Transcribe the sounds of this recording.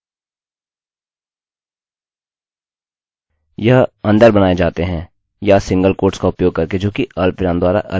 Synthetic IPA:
jɐɦɐ̃nd̪əɾbɐñaːed͡ʒaːt̪eɦɛ̃ː | jasɪ̃ŋɡəlkoːɾʈskaʊpjoːɡ̚kɐɾked͡ʒoːkiɐlpɪɾãːnd̪waːɾa̰ʔɐ̰

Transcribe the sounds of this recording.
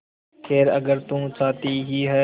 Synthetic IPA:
kʰeːɾə̰ɡəɾt̪ũːt͡ʃaːt̪iːɦiːɦɛː

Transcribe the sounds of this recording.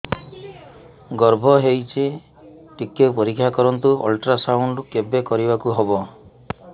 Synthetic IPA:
ɡɔɾbʱɔɦejt͡ʃʰi | ʈikːepɔɾikʰːjakɔɾɔnt̪uɔ̰lʈɾasawuɳɖkebekɔɾibakuɦɔbɔ

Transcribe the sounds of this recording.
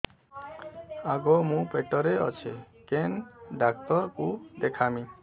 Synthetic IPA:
aɡɔmũpeʈɔɾeɔ̰t͡ʃʰe | kenɖak̚t̪ɔɾkud̪ekʰamĩ

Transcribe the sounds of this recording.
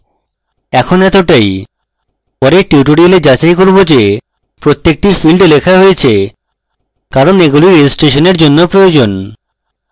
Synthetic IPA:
ɛkʰonɛt̪oʈaj | pɔɾeʈiuʈ̬uɽioled͡ʑat͡ɕaikoɾbod͡ʑe | pɾot̪ːek̚ʈifilɖlekʰaɦojet͡ɕʰe | kaɾoneɡuliɾed͡ʑisʈeʃoneɾd͡ʑonːopɾojod͡ʑon

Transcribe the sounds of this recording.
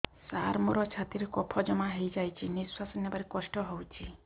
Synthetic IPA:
saɾmoɾɔt͡ʃʰat̪iɾekɔpʰɔd͡ʒɔmaɦejd͡ʒajt͡ʃʰiniswasɔnjɔbaɾekɔsʈɔɦowt͡ʃʰi

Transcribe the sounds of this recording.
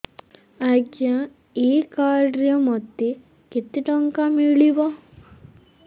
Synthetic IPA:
aɡja | iːkaːɖɾjɐmɔt̪ːi | kit̪ːiʈɔŋkamiɭiʋɔ

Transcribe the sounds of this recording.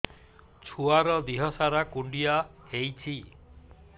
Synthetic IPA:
t͡ʃʰuaɾɔd̪iɦɔsaɾakuɳɖijahejt͡ʃʰi

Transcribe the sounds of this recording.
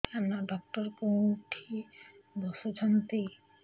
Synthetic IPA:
amnaɖɔk̚ʈɔɾkõʈʰid̪ɔsod͡ʒʱɔnt̪i

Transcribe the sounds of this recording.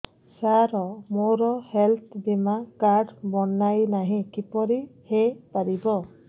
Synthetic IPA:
saɾɔmoɾɔhɛlt̪̚ʰbimakaɹdbɔnajnaɦĩkipɔɹihejpaɹibɔ

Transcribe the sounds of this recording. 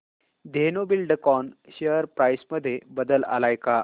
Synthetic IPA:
d̪ʱenobilɖəkɔnɕeəɾpɾajsməd̪ʱːjebəd̪əla̰lajka

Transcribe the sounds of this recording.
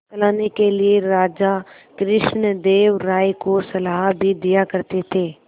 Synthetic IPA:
ɐlaːnekelieɾaːd͡ʒa | kɾɪʃnəd̪eːʋɾaːikosɐlaːɦbʱid̪ijakɐɾt̪et̪ʰeː

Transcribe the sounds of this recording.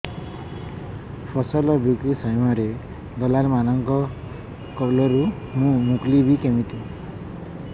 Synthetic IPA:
pʰɔsɔlɔbukisajmaɾe | d̪ɔlaɾmanɔŋkɔ | kɔlɔɾu | mũmuklibikemit̪i

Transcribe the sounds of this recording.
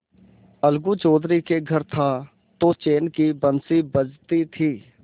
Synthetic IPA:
əlɡut͡ʃoːd̪ɾikeɡʱəɾt̪ʰa | t̪ot͡ʃeːnkibənsibəd͡ʒt̪it̪ʰiː

